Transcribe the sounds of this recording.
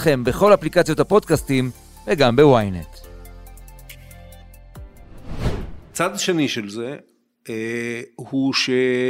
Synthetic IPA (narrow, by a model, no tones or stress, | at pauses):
χe̞mbeχo̞laplikat͡sijo̞t̪hapo̞d̪kastim | veɡambewajnḛt̪ | t͡sad̪aʃeniʃelze | huʃe